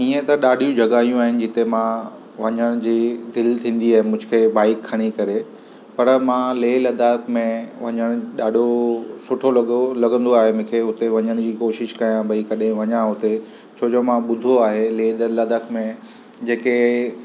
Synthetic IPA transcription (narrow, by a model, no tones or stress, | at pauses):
iːə̃t̪ɐɗaːɗ̤ʱijũd͡ʑʱɐɡaːijũaːɦɪnɪ̆d͡ʑɪt̪emã | ʋɐɲəɽ̃ʊd͡ʑiːd̪ɪlt̪ʰĩːn̆d̪iaːɦɪ̃nmʊ̃d͡ʑʊ̆kʰeːbaːɪkʰːɐɽ̃ikɐɾe | pɐɾmãleːlɐd̪ʱakmẽʋɐɲəɽ̃ɗaːɖ̤ʱosʊʈʰolɐlɐɡə̃nd̪oaːɦemʊ̃ːkʰeɦʊt̪eʋɐɲəɽ̃d͡ʑiːkoːʃɪʃkɐjãbɐikɐɗẽʋɐɲãɦʊt̪e | t͡ɕʰoːd͡ʑoːmãɓʊd̪ʱoaːɦeleːd̪lɐd̪ʱəkmẽ | d͡ʑeːke